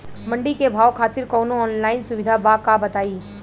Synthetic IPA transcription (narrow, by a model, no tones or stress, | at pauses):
mɐ̃ɳɖikebʱaːʋkʰaːt̪ɪɾkɔːnõɔːnlaːɪnsʊʋɪd̪ʱabaːkabɐt̪aːiː